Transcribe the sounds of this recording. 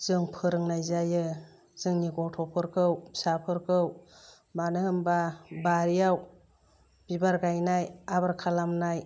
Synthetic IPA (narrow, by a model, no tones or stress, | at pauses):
z̥ɯŋpʰɯɾɯŋnajzajɯ | z̥ɯŋniɡɔtʰɔpʰɯɾkʰɯwsapʰɯɾkʰɯw | manɯhɯmbabaɾijaw | b̥ibaɾɡajnajabaɾkʰalamnaj